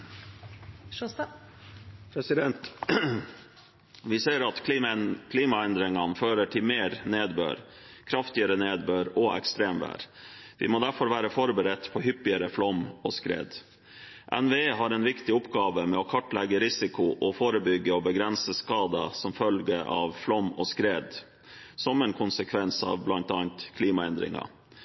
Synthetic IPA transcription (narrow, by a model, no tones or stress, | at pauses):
pʰɾɛsɪd̪ɛnt̪ | ʋɪseːɾɑt̪kʰliːmɑɛnd̪ɾɪŋɑnføːɾəʈʰɪlmeːɾneːd̪bø̰ːɾ | kʰɾɑft̪ɪəɾəneːd̪bøːɾɔɛ̰kst̪ɾeːmʋæ̰ːɾʋɪ̰moːd̪æɾfɔɾʋæːɾəfɔɾbəɾɛt̪ːpʰɔhʏpːɪəɾəflɔmɔskɾḛːd̪ | ʔɛnʋeeːɦɑɾɛnʋɪkt̪ɪʊpɡɑːʋəmɛɔkʰɑʈlɛɡːəɾɪsɪkʊʔɔfoːɾəbʏɡːəɔbəɡɾɛnsəskɑːd̪əsɔmfœlɡəɑ̰ʋflɔmɔskɾeːd̪ | sɔmɛnkʰʊnsəkʰʋɛnsɑ̰ːʋblɑnt̪ɑːnt̪kʰliːmɑɛnd̪ɾɪ̰ŋɑ̰